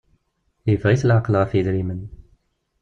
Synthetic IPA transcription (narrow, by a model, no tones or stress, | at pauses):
ivʁiθəlʕaqəlʁæfiðɾimən